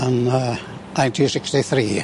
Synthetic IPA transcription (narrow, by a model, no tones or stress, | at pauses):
ən | aɪnt̪ʰisɪkstiθɾiː